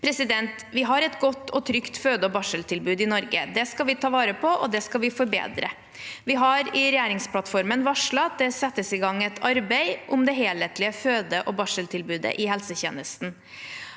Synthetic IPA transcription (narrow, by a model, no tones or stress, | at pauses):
pʰɾɛsɪd̪ɛnt̪ʋɪɦɑɾɛt̪ɡɔt̪ːɔt̪ʰɾʏkt̪føːd̪əɔbɑʂəlt̪ʰɪlbʉːd̪ɪnɔɾɡəd̪ɛskɑlʋɪt̪ʰɑːʋɑːɾəpʰɔʔɔd̪ɛskɑlʋɪfɔɾbḛːd̪ɾə̰ | ʋɪɦɑɾɪɾɛjæːɾɪŋspʰlɑt̪fɔɾmənʋɑʂɭɑt̪̚d̪ɛsɛt̪ːəsɪɡɑŋːɛt̪ʰɑɾbɛɪʔʊmd̪ɛɦeːlət̪lɪəføːd̪əʔɔbɑʂəlt̪ʰɪlbʉːd̪ə̰ʔɪhɛlsəçḛːnəst̪n̩